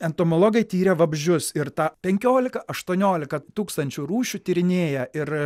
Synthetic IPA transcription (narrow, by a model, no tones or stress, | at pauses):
ɛnt̪oːmolˠoːɡɐɪt̪ʲiːɾʲɛʋɐbʲʒʲʊsɪɾt̪ɑːpʲɛŋʲkʲoːlʲɪkɐʔɐʃt̪uɔnʲoːlʲɪkɐt̪uːkst̪ɐnʲt͡ʃʲʊɾuːʃʲut̪ʲiɾʲɪnʲeːjɛɪɾ